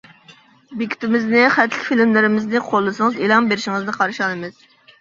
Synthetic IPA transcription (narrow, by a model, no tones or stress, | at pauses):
bekʲi̥t̪ʰɪmɪznɪχæt̪ʰlɪ̥kʲfilmlɪɾɪmɪznɪqʰolˠːɨsɨŋɨzelˠɑmbeɾɪʃiŋɨznɨqʰɑɾʃɑnɨmɨz̥